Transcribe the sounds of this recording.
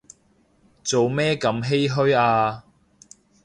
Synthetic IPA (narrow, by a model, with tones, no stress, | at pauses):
t͡so˨wmɛː˥kɐ˧mɦe˥jɦɵ˥ɥaː˧